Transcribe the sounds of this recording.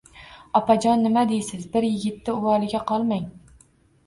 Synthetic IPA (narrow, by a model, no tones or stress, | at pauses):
ɒpʰad͡ʒɒnːɪmad̪ejsɪzbɪɾjɪɡʲɪt̪ːɪʊwɒlˠɪɡʲaqʰɒlˠmaŋ